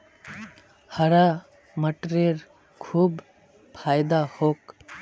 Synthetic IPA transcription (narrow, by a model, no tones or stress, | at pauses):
həɾa | məʈɾeɾ | kʰuːb | pʰaːjd̪ahok